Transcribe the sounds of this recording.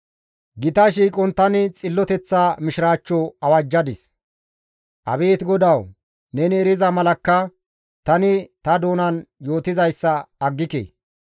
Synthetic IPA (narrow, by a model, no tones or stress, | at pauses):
ɡɪt̪ɐʃ̬iːkʼɔnt̪ɐnɪt͡sʼɪlːɔt̪ɛt͡sːaːmɪʃɪɾaːt͡ʃːɔɐwɐd͡ʒːɐd̪ɪs | ʔɐ̰be̞ːt̪ɡɔd̪ɐw | nɛnɪɛɾɪzɐmɐlɐkːɐ | t̪ɐnɪt̪ɐd̪o̞ːnɐnjo̞ːt̪ɪzɐjsːɐːɡːɪkḛː